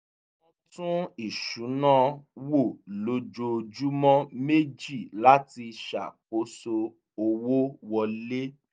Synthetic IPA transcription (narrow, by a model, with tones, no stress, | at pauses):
ɔ̃˦tũ˦i˦˨ʃu˨˦nã˦wo˦˨lo˧d͡ʒo˧d͡ʒu˦mɔ̃˦me˦d͡ʒi˦˨la˦ti˧ʃa̰˨k͡p̚o˨˦so˧ | o˧wo˦wɔ˧le˦